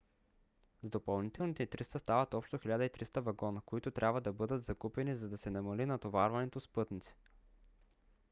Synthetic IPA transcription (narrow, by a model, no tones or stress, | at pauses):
zd̪opɐlˠnit̪ɛlnit̪ɛit̪ɾist̪əst̪avɐt̪ɔpʃt̪oxilʲad̪əit̪ɾist̪əvɐɡɔnəkoit̪ʊt̪ɾʲʔabvəd̪ɐbɤd̪ət̪zɐkupɛnizɐd̪ɐsɛnɐmɐlinɐt̪ovaɾvɐnɛt̪ospɤt̪nit̪si̥